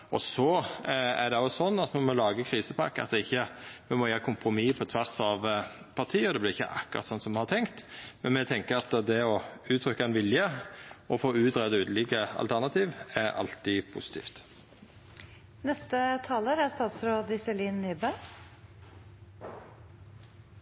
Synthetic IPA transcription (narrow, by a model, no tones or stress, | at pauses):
ʔɔsɔæd̪ɛjʊsɔnːɑt̪mɛmɔlɑːɡəkʰɾiːsəpʰɑ̰kːɑ̰t̪ɛɪçːəmɛmɔjæːɾəkʰʊmpɾʊmipʰɔt̪ʰʋæɾsɑʋ | pʰɑʁt̪ʰiːəɔd̪ɛblɪʁɪçːə̰ʔɑ̰kːʊ̰ʁɑ̰t̪sɔnt̪sɔmɛnhɑɾt̪ʰɛŋkt̪mɛnmɛt̪ʰɛŋkəɾɑt̪d̪ɛɔʉːt̪ʰɾʏkːaɛnʋɪljəɔfoːʉːt̪ɾɛd̪əʉːd̪əliːkəɑ̰lt̪ʰæʁnɑt̪ʰiːʋæɾɑ̰lt̪ɪpʰṵsɪ̥t̪ʰḭːft̪ | nɛst̪ət̪ʰɑːləɾæst̪ɑːt̪sɾoːd̪ɪsɛliːnnyːbə